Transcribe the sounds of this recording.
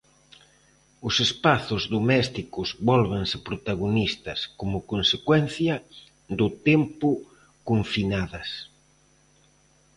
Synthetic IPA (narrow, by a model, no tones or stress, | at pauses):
ʊsespaθʊzðomɛst̪ikʊzβɔlβensɪpɾot̪aɣ̞onist̪ɐskomʊkonsekwɛnθjɐ | d̪ʊt̪ɛmpʊ | koɱfinaðɐs